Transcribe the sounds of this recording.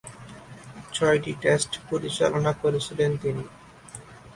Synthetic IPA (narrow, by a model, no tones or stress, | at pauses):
t͡ɕʰɔjʈiʈesʈpoɾit͡ɕa̰lonakoɾet͡ɕʰilent̪ini